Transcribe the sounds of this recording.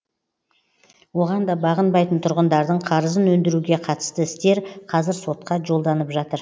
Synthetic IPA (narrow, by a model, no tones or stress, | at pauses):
wo̞ʁɑnd̪ɑbɑʁənbɑjt̪ənt̪ʰʊɾʁənd̪ɑɾd̪əɴqʰɑɾəzənwɵnd̪ɪɾuɡʲe̞qʰɑt̪ə̥st̪əɪst̪e̞ɾqʰɑzɪɾso̞t̪̚qɑʒo̞lˠd̪ɑnəpʒɑt̪əɾ